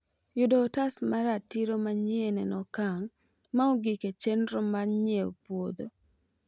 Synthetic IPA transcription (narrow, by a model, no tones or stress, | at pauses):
jʊdɔːtasmaɾatiɾomaɲienɛnɔkaŋ | maoɡiket͡ʃenɾɔmaɲeo̰pwod̪o